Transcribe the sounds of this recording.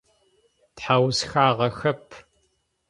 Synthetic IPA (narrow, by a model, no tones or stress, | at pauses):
tħawzxaːʁɐxɐpʰ